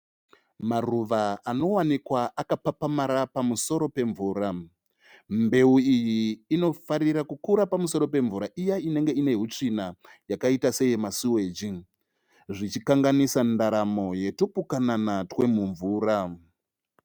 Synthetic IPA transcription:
maruʋaano̞wanikwaʔakapapamaɾapamuso̞ɾo̞pe̞ɱvuːɾa | mbe̞uijiːno̞faɾiɾakukuɾapamuso̞ɾo̞pe̞ɱvuɾaʔijaine̞ŋɡe̞ine̞ɦut͡ʂinajakaitase̞jemasiwe̞ːd͡ʒi | ʐit͡ʃikaŋɡanisandaɾamo̞je̞topukananatwe̞muɱvuːɾa

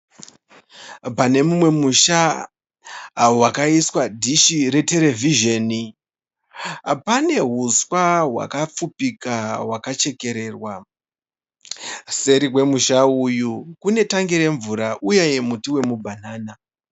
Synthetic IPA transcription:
pane̞mumwe̞muʃa | wakaiswadʱiʃiɾe̞te̞ɾe̞vʱiʒoni | pane̞ɦuswaɦwa̰kap͡fupikawakat͡ʃe̞ke̞ɾe̞ːrwa | se̞ɾiwe̞muʃaujukune̞taŋɡiɾe̞ɱvuɾaʔujeje̞mutiwe̞mubʱanaːna

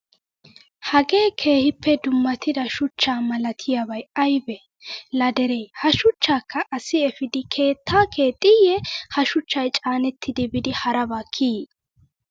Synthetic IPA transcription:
hɐɡe̞ːkʰe̞ːhɪpːɛd̪ʊmːɐt̪ɪd̪ɐʃʊt͡ʃːaːmɐlɐt̪ʰɪjabɐjɐjbɛ | lɐd̪ɛɾejhɐʃʊt͡ʃːaːkʰːɐʔɐsɪɛfɪd̪ɪkʰe̞ːt̪ʰːaːkʰe̞ːt̪ʼɪjɛhɐʃʊt͡ʃːɐjt͡ʃʼaːnɛt̪ʰːɪd̪ɪbɪd̪ɪhɐɾɐbaːkʰːiː

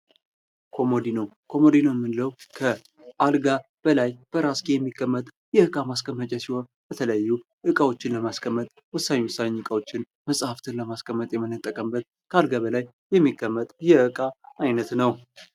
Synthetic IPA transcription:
kʰo̞mod̪ino | kʰo̞mo̞d̪inoɛmːɨnləwkʰə | ʔalɡab̥əlajb̥əɾaskʼijɛmːikːəmːət̪ʼ | jɛɨkʼamaskʰəmːət͡ʃʼɛsiho̞nbət̪ʰələjjːu | ʔɨkʼawo̞t͡ʃːɪnləmaskʰəmːət̪ʼwʊsːaniwʊsːanɲɨkʼawo̞t͡ʃːɪn | məsʼhaft̪ʰɨnləmaskʰʼəmːət̪ʼjɛmɨnət̪ʼːəkʼəmbət̪̚ | kʰəalɡaβəlajːɛmːikʰːəmːət̪ʼjɛɨkʼaːjnət̪nəw

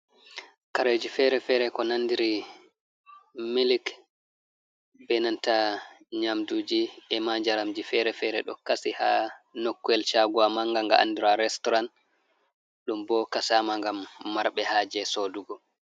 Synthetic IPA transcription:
kaɾed͡ʒifɛɾɛfɛɾɛkɔnanːdiɾi | milik | bɛnanta | ɲamdud͡ʒiɛmaɲd͡ʒaɾamd͡ʒifɛɾɛfɛɾɛɗɔ̰kasiha̰nokːuɛlt͡ʃaɡuamaŋɡaŋɡa̰ʔa̰ndiɾaɾɛstɔɾan | ɗumbɔkasaːmaŋɡamːaɾɓɛhaːd͡ʒɛsoːduɡɔ

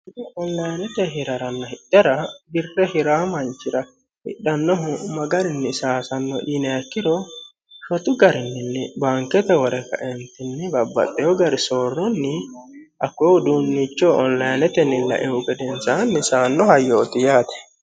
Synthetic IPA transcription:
ɪd̪ɪɔnlɐjnɛt̪ɛɦɪɾɐɾɐnːɐhɪɗːɐɾɐbɪrːɛhɪɾaːmɐnt͡ʃːɪɾɐ | hɪ̰ɗːɐnːɔɦʊmɐɡɐɾɪnːɪsaːsɐnːɔ̰ʔinɛɐkːɪɾɔ | ʃɔt̪ʼʊɡɐɾɪnːɪnːɛbaːŋkːɛt̪ɛwɔɾɛkːɐ̰ʔɛnt̪ɪnːɛbɐbːɐ̰t̪ʼːɛjɔɡɐɾɪsoːrːɔnːɪʔɐkːɔwd̪uːnːit͡ʃːoːʔɔnlɐjnɛt̪ɛnːɪlɐ̰ʔɛʊɡɛd̪ɛnsanːɪsaːnːɔhɐjoːt̪ɪjaːt̪ɛ̥

